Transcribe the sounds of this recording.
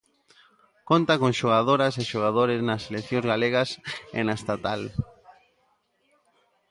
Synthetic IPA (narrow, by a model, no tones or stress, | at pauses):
kont̪akoŋʃoɣ̞aðoɾaseʃoɣ̞aðoɾɪznɐselekθjõŋzɣaleɣɐsḛnaest̪at̪al